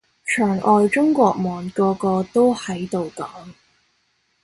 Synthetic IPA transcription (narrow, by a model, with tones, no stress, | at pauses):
t͡ʃʰœː˨˩ŋʔɔː˨jt͡ʃʊ˥ŋkʷɔː˧k̚mɔː˨nkɔː˧kɔː˧t̪o˥whɐ˨˥jt̪o˨wkɐ˨˥m